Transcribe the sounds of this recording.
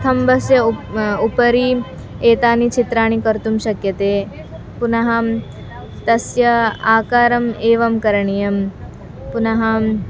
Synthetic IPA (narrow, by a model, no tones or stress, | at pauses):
t̪ʰɐmbʱɐsjɐupɐɾiː | eːt̪aːnit͡ʃʰit̪ɾaːɳ̃ikɐɾt̪umʃɐkjɐt̪eː | punɐɦɐm | t̪ɐsjɐaːkaːɾɐmeːʋɐmkɐɾɐɳijɐm | punɐɦɐm